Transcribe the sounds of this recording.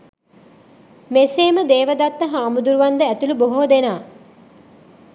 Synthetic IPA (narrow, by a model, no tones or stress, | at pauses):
meseːməd̪eːʋəd̪at̪ːəɦaːmud̪uɾuʋand̪əæt̪uluboɦoːd̪enaː